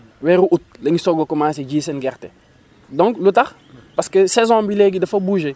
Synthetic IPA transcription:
wɛɾuʔut̚lɐŋisɔɡokɔmaːs̬eɟiːsɛnɡɛrtɛ̰ | dɔ̃ŋklutɐx | pɐskəsɛzɔ̃ːbilɛɡidɐfɐbuːʒe

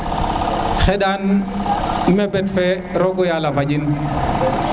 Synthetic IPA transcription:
xɛɗan | mɛbɛtfɛ | ɾɔɡɔjalafaɟin

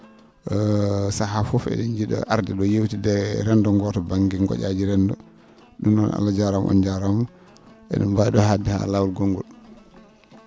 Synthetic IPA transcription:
sahafɔfɛ̰ɗɛnd͡ʒiɗɔ̰ʔa̰ɾdiɗɔjewtidɛɾɛndɔŋɡɔtɔbaŋɡiɡɔ̰ʔad͡ʒiɾɛndɔ | ɗunɔna̰lːad͡ʒaɾamʔɔ̰nd͡ʒaɾamu | ʔɛ̰ɗɛ̰mbajɗɔhadiha̰lawlɡoŋɡɔl

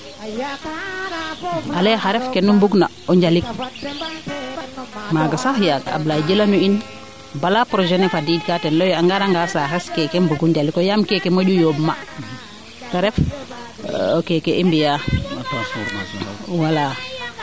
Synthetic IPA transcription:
alɛxaɾɛfkɛnumbuɡna | ɔɲɟalik | maːɡasaxjaɡaa̰blaɟəlanuin | balapɾɔd͡ʒɛnɛfadiːd̚katɛnlɔjaŋɡaɾaŋɡasaxɛskɛkɛmbuɡuɲɟalikɔjamkɛkɛmoɟujobma̰ | kaɾɛf | kɛkɛʔimbija | wala

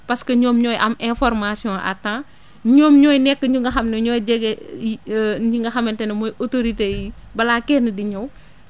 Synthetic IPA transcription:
pɐskɐɲɔːmɲɔːjʔɐmɛ̃fɔɾmasiɔ̃ʔɐ̰tːãː | ɲɔːmɲɔːjnɛkːəɲuŋɡɐxɐmnɐɲɔːjɟɛɡɛ | ɲuŋɡɐxɐmɐntɛnɐmɔjʔotoɾiteji | bɐlaːkɛːnədiɲɐw

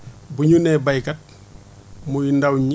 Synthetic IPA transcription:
buɲunɛbɐjkɐt̚ | mujindɐwɲi

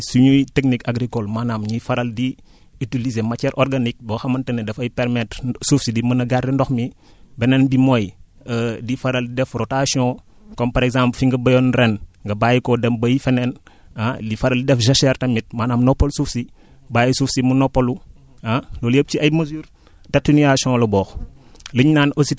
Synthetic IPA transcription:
suɲujteknikaɡɾikolmanamɲifɐɾɐldi | itilizemɐt͡ʃɛɾʔɔɾɡanik̚bɐxɐmɐntɐnɛdɛfɐjpɛɾmɛtɾsufsidimɐnɐɡardɛndɔxmi | bɛnɛnbimoj | ədifɐɾɐldidɛfɾotasiɔ̃ | kɔmpɐɾɛɡzãːmplfiŋɡɐbɐjɔnɾɛnŋɡɐbaːjikɔdɛmbɐjfɛnɛn | adifɐɾɐlidɛfʒɐʃɛrtɐmit̚maːnamnɔpːolsufsi | baːjisufsimunɔpːolu | alɔləp̚t͡ʃiʔɐjmɐzuːɾ | tɐtːinijasiɔ̃lɐbɔːxləɲnaːnosit

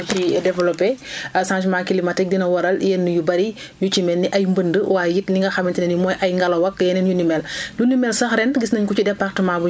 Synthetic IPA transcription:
tidɛvɛlɔpːɛsãnʃmakilimɐtɛk̚dinɐwɐɾɐljɛnːujubɐɾi | ɲut͡ʃimɛnːiʔɐjmbəndəwaːjjitliŋɡɐxɐmːintinɛnimɔːjʔɐjŋɡɐlɐwɐkjɛnɛnjunimɛljunːimɛlsɐxɾɛnɡisnɐɲkut͡ʃidɛpːaxtɐmaːbu

